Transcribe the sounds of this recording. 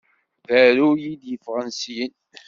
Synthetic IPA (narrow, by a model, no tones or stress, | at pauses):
ðæɾujid̪jəfʁənsijən